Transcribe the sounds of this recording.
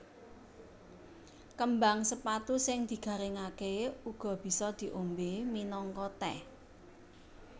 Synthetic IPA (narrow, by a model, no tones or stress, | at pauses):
kəmbaŋsəpat̪usɪŋd̪̥i̤ɡ̥ä̤ɾɪŋakeuɡ̥ɔ̤b̥i̤sɔd̪̥i̤ʔombeminɔŋkɔt̪ɛ̰